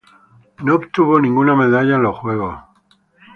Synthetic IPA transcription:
nopt̪uβo̞nĩŋɡuname̞ðaʎaloxwe̞ɣ̞o

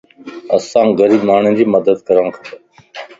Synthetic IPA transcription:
əsãːɡəɾiːmaːɳẽːd͡ʑiːməd̪əd̪kəɾə̃ːkʰə̥

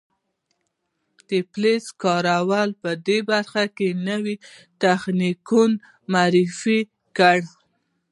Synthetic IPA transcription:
d̪̥epleskɑɾawalpəd̪ebaɾxakenəwit̪axnikun | maɾifi | kəɽ

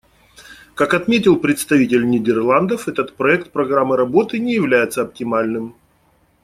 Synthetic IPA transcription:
kakɐt̪mʲetʲɪlˠpɾʲɪt̪st̪ɐvʲitʲɪlʲnʲɪdʲɪrlˠand̪əfɛt̪ət̪pɾɐɛkt̪̚pɾɐɡɾamːɨɾɐbo̞t̪ɨnʲɪjɪvlʲæjɪt̪səɐp̚tʲɪmalʲnɨm

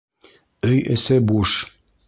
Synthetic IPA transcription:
ɵjɘ̰̆sɘbuʃ

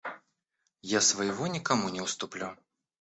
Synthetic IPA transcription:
jasvajɣɔnʲikamunʲɛwst̪uplʲu

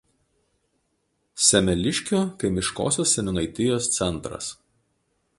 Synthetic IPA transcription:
sʲɛmʲɛlʲɪʃʲkʲoːkɐɪmʲɪʃko̰ːsʲoːsːʲɛnʲʊnɐɪt̪ʲɪjoːst̪sʲɛnˑt̪ɾɐ̰s

